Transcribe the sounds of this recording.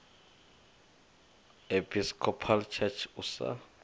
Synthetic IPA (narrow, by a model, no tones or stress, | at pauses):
epʰiskʰɔpʰalt͡ʃʰɛt͡ʃʰusa̰